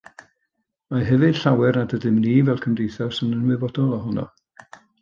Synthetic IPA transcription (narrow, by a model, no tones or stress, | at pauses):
maɦɛvɨd̥ɬawɛrnadədɪmniːvɛlˠkʰəmdejθarsɪnənwɨvɔdɔlˠɔɦʊnɔ̰